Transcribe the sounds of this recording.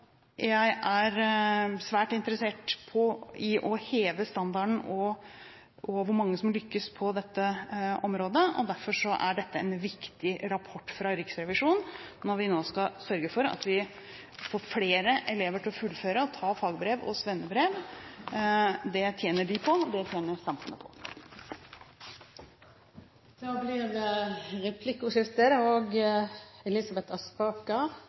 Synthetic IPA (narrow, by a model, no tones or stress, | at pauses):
jæɪʔæɾsʋæːʈɪnt̪əɾəseːʈpʰɔɪʔɔheːʋəst̪ɑnd̪ɑɳ̩ɔ | ʔɔʋʊɾmɑŋːəsɔmlʏkːəspʰɔd̪ɛt̪ːəʔɔmɾoːd̪əɔ̰d̪æɾfɔʂɔʔæ̰ɖɛt̪ːəɛ̰nʋɪkt̪ɪɾɑpʰɔʈːfɾɑɾɪksɾɛʋɪʂuːnnɔɾʋɪnoːskɑsœɾɡəfɔɾɑ̰t̪ʋɪ | foːɾfleːɾəʔɛleːʋəʈʰɪlɔfʉlføːɾəɔt̪ʰɑːfɑːɡbɾeːʋɔ̰sʋɛnːəbɾeːʋ | d̪ɛt̪ʰjeːnəɖɪpʰɔd̪ɛt̪ʰjeːnəsɑmfʉnəpʰɔ̥̰ | d̪̥ɑːblɪɾəɾɛpʰlɪkːʊʂɪft̪əɾoːɡ | ɛlɪsɑbɛt̪ɑspɑːkɑ